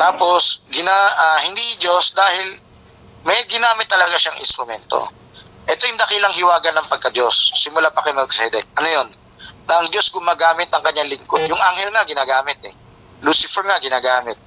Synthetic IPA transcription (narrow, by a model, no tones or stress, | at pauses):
t̪aːpo̞sɡɪnaʔahɪnd̪id͡ʒosd̪aːhɪl | mɛjɡɪnaːmɪt̪ːɐlɐɡaʃaŋʔɪ̰nst̪ɾʊmɛnt̪o̰ | ʔɛt̪ojʊŋd̪ɐkilɐŋhɪwaːɡɐnːɐŋpɐɡ̚kɐd̪osːɪmʊlapɐkɛmɛksɛd̪ɛnt̪̚ʔɐnojo̞n | nɐʔɐŋd͡ʒo̞sɡʊmaːɡaːmɪt̪̚ɐŋkɐɲːaŋlɪŋkod̪jʊŋʔaŋhɛlŋɐɡɪnaːɡaːmɪt̪̚ɛ | luːsɪfɛɹŋaɡɪnaːɡaːmɪt̪̚